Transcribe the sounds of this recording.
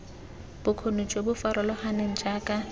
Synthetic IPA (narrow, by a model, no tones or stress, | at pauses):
b̥ʊkʰonʊt͡ʃʼwebʊfaɾɔlɔhaneŋ̩d͡ʒaːkʼa